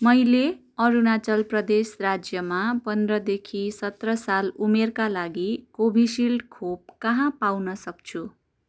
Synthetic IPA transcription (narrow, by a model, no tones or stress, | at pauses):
mʌjle | ʌɾunat͡sʌlprʌd̪esrad͡zjʌmapʌnd̪rʌd̪ekʰisʌt̪rʌsalumerkalaɡikobʱisilɖkʰob̚kʌɦãpawnʌsʌk̚t͡sʰu